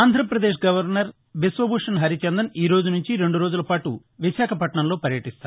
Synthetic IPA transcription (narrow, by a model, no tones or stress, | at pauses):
aːnd̪ʱɾɐpɾɐd̪eːʂɡɐʋɐɾnɐɾ | besʋɐbuːʂɐnɦɐɾit͡ʃɐnd̪ɐniːɾo̞ːd͡ʒunuɲt͡ʃiɾe̞ɳɖuɾoːd͡ʒulɐpaːʈu | ʋiʃaːkʰɐpɐʈɳɐmlo̞ːpɐɾjɐʈist̪a̰ːɾ